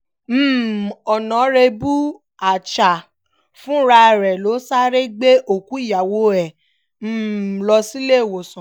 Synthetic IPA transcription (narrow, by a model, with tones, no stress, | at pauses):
m̩ː˦˨ɔ˨nã˨˦ɾe˧bu˦ | a˨t͡ʃa˨ | fũ˦ɾa˧˦˨ɾɛ˨lo˨˦sa˦ɾe˦ɡ͡be˦ʔo˨ku˨˦i˦˨ja˨wo˧˦ɛ˨ | m̩ː˦˨lɔ˧si˦le˦˨wo˨sɔ̃˨